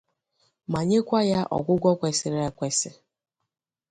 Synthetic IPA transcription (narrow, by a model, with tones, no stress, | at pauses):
ma˨ɲe˦kʷa˦ja˦ʔɔ̰˨ɡʷʊ˦ɡʷɔ˦kʷe˨sɪ˨ɾe˦kʷe˨sɪ˦